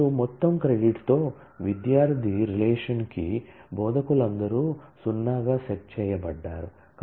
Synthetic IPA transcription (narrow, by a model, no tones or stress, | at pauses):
umɔt̪ːɐmkɾeɖiʈt̪oː | ʋid̪jaːɾt̪ʰiɾilɛːʂɐnkḭbɔːd̪ɐkuɭɐnd̪ɐɾuːsunːaːɡaːseʈ̚t͡ʃɛːjɐbɐɖːaːɾu | k